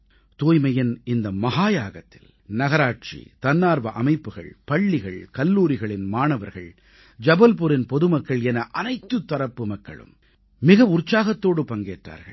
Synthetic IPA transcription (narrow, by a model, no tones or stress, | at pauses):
t̪oːjmɐjɪnɪnd̪ɐmɐɦaːjaːɣɐt̪ːɪl | nɐɣɐɾaːʈ̚t͡ʃḭt̪ɐnːaːɾʋɐʔɐmɐɪpːɯɣɐ̰ɭpɐɭːɪɣɐɭkɐlːuːɾɪɣɐɭɪnmaːnɐʋɐɾɣɐ̰ɭ | d͡ʒɐbɐlp̬ʊɾɪnpɔðɯmɐkːɐɭɛnɐʔɐnɐɪt̪ːɯt̪ːɐɾɐpːɯmɐkːɐ̰ɭɯ̰m | mɪɣɐʊrt͡ʃaːɣɐt̪ːoːɽɯpɐŋɡḛːʈra̰ːɾɣɐ̰ɭ